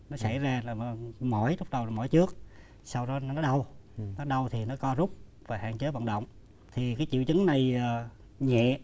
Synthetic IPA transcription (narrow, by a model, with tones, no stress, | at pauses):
nɔ˨˦sa˧˩jzaː˧˨˩mɔ˧˩jzʊ˦˥k͡p̚ɗə˨˩wa˨˩mɔ˧˩˦jt͡ɕɨ˦˥ək̚ | sa˧wɗɔ˨˦˨nɔ˨˦ɗə˧wnɔ˨˦ɗə˧wt̪ʰi˨˩nɔ˨˦kɔ˧˦zʊ˦˥k͡p̚ | vaː˨˩ha̰ː˧˨ŋt͡ɕəː˨˦jvə̰˧˨nɗə̰˧˨wŋ͡m | t̪ʰi˨˩kaː˨˦jt͡ɕḭ˧˨əwt͡ɕɨ˨˦ŋna˨˩jəː˨˩ | ɲɛ̰˧˨